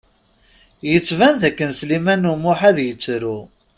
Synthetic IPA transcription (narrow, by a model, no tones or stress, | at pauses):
jət͡sːvænðækːənslimænumʊħæðjət͡sːɾu